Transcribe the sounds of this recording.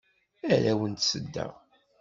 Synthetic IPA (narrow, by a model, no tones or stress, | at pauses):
æɾæwənt̪səd̪ːæ̰